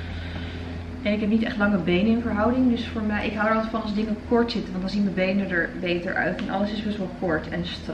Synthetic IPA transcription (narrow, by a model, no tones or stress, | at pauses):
ɛnɪkɦɛp̚nitɛχtlɑŋəbejnəɪnvəɹɦɑwdɪŋdɵsfʊːɹmɛʔɪkɦawəɹɑlˠfɑnsdɪŋəkɔɹtsɪtəʋɑntdɑnzinməbejnədəɹbejtə̰ɹʔœ̰ɥtɛnʔɑ̰ləsɪzbɛsʋɛlˠkɔɹtɛnst